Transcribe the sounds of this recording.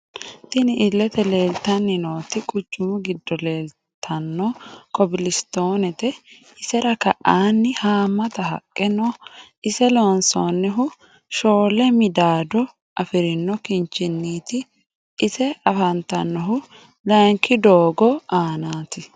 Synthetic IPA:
t̪ɪnɪʔɪlːɛt̪ɛleːlt̪ːɐnːɪnoːt̪ɪkʼʊt͡ʃːʊmʊɡɪd̪ːɔleːl | t̪ʰːɐnːɔkɔbɪlɪst̪o̞ːnɛt̪ɛ | ɪsɛɾɐkɐʔaːnːɪhaːmːɐt̪ɐɦɐ̰kʼːɛnɔ | ɪsɛlɔnsonːɛɦʊ | ʃoːlɛmɪd̪aːd̪ɔ | ʔɐfɪɾɪnːɔkɪnt͡ʃːɪnːiːt̪ɪː | sɛɐfɐnt̪ɐnːɔɦʊ | lɐŋkːɪd̪oːɡɔaːnaːt̪ɪ

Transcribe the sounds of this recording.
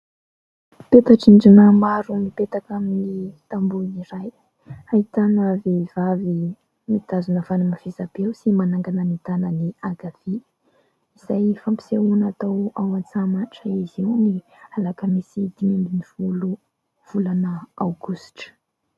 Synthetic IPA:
pet̪aʈ͡ʂiɳɖ͡ʐinamaɾumipet̪akaminit̪ambuniɾaj | ait̪anavevavi | mit̪azunəfanimav̥ezabewsimanaŋɡanənit̪anəniaɡav̥i | iz̥ajfampi̥seunat̪awawant͡samaʈ͡ʂəiziwni | alakəmisid̪̥imembiniv̥ulu | v̥ulanəawɡusʈ͡ʂə̥

